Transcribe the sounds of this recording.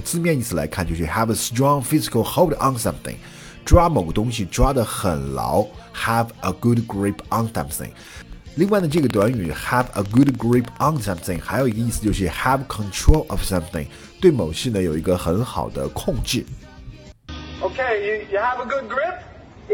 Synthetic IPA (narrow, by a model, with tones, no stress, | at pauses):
t͡sɹ̩˥˧mjɛ˥˧ni˥˩t͡sɹ̩˩la̰˧ɪkʰa˥˩nt͡ɕjo˥˧ʊʂ̩˥˩hæ˨vəstɹɔ̃˥˧ŋfɪ˥zɪ˨kəlˠxo˥ʊɾə̃˧nsʌ̃˦mθɪ̰̃˨ŋ | ʈ͡ʂwa˥mo˨˩ʊɡə˦t̪ʊ˥ŋɕ̬i˨ʈ͡ʂwa˥d̪ə˨xə̰˨˩nlɑ̰˧˥ʊhəvʔə˨ɡ̥ʊ˦d̚ɡɹɪ˥pʰʔə̃˧nsʌ̰̃˧mθɪ̰̃˨ŋ | li˥˧ŋwa˥˩ɪnə˩ʈ͡ʂɤ˥˩ɡə˩t̪̬wa˧˥ny˨˩hæ˨və̰˨ɡʊ˦dɡɹɪ˥pʰə˨nsʌ̃˧mθɪ̃˨˩ŋxa̰˧˥ɪjo˨˩ʊi˧˥ɡə˧i˥˩sɹ̩˧t͡ɕjo˥˧ʊʂɻ̩˥˩hæ˨vkʰə̃˨ntʰɹo˥ʊlʔə˨v̥sʌ̃˦mθɪ̰̃˨ŋ | t̪we˥˩ɪmo˨˩ʊɕɛ˥˩nə˩jo˨˩ʊi˧˥ɡə˧xə˧˥nxɑ̰˨˩ʊd̪ə̰˦kʰʊ˥˧ŋt͡ɕ̩˥˩ | oʊkʰeɪjɨjɨəvəɡʊd̚ɡɹɪp̚